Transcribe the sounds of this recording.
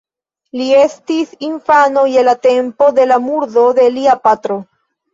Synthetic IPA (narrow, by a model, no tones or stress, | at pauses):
lie̞stisinfanojelat̪e̞mpo̞d̪e̞lamuɾdo̞d̪e̞liapat̪ɾo